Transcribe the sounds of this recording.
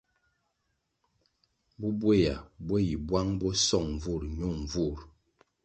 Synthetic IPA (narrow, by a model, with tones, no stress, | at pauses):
bu˦bwe˦˨ja̰˨bwe˦ji˨bwa˦ŋbɔ˦sɔ˦˨ŋɱ˨vu˦˨ɾɲu˦˨mɱ˨vu˦˨ɾ